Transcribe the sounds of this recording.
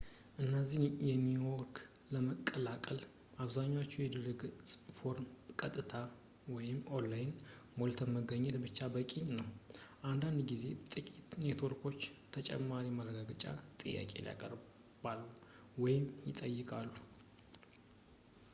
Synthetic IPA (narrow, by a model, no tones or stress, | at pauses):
ʔɨnːəzihnjɛmːiwɔɾk | ləməkʼːəlakʼəl | ʔaβzaɲːawot͡ʃːujɛd̪ɨɾɨɡsʼfo̞ɾmkʼət̪ʼːɨt̪ʰa | wɔjɪmo̞lːajɪn | molt̪ʰənməɡəɲːɛt̪bɨt͡ʃːabəkʼinəwʔand̪and̪ɡize̞t̪ʼɨkʼit̪ne̞t̪ʰwoɾkʰo̞t͡ʃːt̪ʰət͡ʃʼɛ̰mːaɾimərəɡaɡət͡ʃʼa̰t̪ʼɨjːa̰kʼe̞̰lija̰kʼə̰ɾ | b̥alːu | wɔjɪmjɪt̪ʼəjːɨkʼalːu